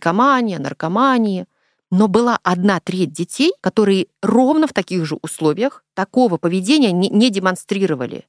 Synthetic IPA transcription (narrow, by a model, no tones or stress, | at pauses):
kɐmanʲɪjənə̰rkɐmanʲɪjɪ | nobɨlˠaʔɐd̪nat̪ɾʲet̚ʲdʲɪtʲejkɐt̪o̞ɾɨjɪro̞vnəft̪ɐkʲiɣʐɨʔʊslˠo̞vʲɪjəxt̪ɐko̞vəpəvʲɪdʲenʲɪjənʲnʲedʲɪmɐnst̪ɾʲiɾəvə̰lʲɪ̰